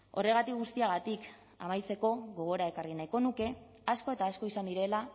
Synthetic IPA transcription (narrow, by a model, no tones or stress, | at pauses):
o̞̰re̞ɣat̪ikɣust̪iaɣ̞at̪ik | a̰majt͡se̞ko̞ɣo̞ɣ̞o̞ɾae̞karinajko̞nuke̞ | asko̞e̞t̪aːsko̞isand̪iɾe̞la